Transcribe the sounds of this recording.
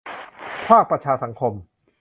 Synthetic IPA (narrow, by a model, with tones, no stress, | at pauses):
pʰaː˥˩k̚pɾa˧t͡ɕʰaː˧sa˩˦ŋkʰo˧m